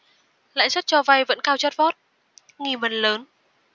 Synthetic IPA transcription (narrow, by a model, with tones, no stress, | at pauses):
la̰ː˧˨jsə˦˥t̚t͡ɕɔ˧va˧jvə̰˧˥nkaː˧wt͡ɕə˦˥t̚vɔ˦˥t̚ | ŋi˨˩mə˨˩nləː˨˦n